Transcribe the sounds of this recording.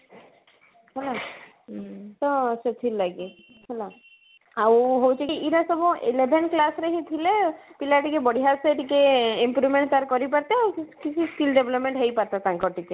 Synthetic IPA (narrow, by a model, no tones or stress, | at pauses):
ɦɔla | t̪ɔset̪ʰillːaɡi | ɦola | awɦowt͡ʃʰikiʔiɾasɔbɔ̃ʔelebʱenklasɾeɦĩt̪ʰilepilaʈikebɔɽiɦaseʈikeimpɾumeɳʈt̪aɾkɔɾipaɾt̪eawkit͡ʃʰiskilɖebʱlɔpmeɳʈɦejpaɾt̪at̪ãŋkɔʈike